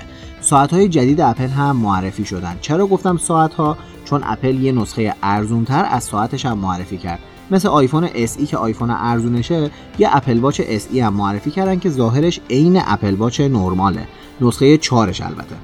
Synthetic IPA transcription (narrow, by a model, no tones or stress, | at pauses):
sɒːæt̪hɒːje̞d͡ʒæd̪iːd̪eæpʰe̞lɦæmːoærːefiːʃo̞d̪ænd̪̥̚t͡ʃʰe̞ɾɒːɡoft̪æmsɒːæt̪hɒː | t͡ʃʰo̞nʔæ̰pʰe̞ljenosxejeʔæɾzunt̪ʰæɾæ̰z̥sɒːæt̪ʰe̞ʃæmːoærːefiːcʰæ̰ɾd̪̥ | mesleɒːjfo̞neʔesiːcʰeʔɒjfonḛʔæɾzuːneʃe | jeʔæpʰe̞lbɒːt͡ʃʰe̞ʔesiːhæmːoærːefiːcʰæɾd̪æn̥̚cʰe̞zɒːɦe̞ɾeʃe̞jne̞̰ʔæ̰pʰe̞lbɒːt͡ʃʰe̞noɾmɒːlḛ | nosxejet͡ʃʰɒːɾe̞̰ʃæ̰lbæ̰t̪ʰe̞̰